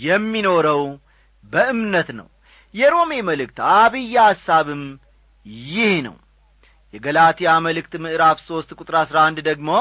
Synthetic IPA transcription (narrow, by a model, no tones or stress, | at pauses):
jɛmːino̞ɾəw | bəʔɨmnət̪nə̰w | jɛɾo̞meməlɨk̚t̪aβɨjːaasːaβɨm | jɪhnə̰w | jɛɡəlat̪ʰijaməlɨkt̪mɨʔɨɾafso̞st̪kʼut̪ʼɾaasɾaand̪d̪əɡmo̞